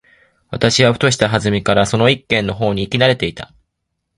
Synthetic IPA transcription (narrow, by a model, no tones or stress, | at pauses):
β̞at̪aɕiβaɸɯ̟t̪o̞ɕi̥t̪aɦazɨmʲikaɾaso̞noikːẽ̞nːo̞ɦo̞ːɲ̟iːkʲinaɾe̞t̪e̞it̪a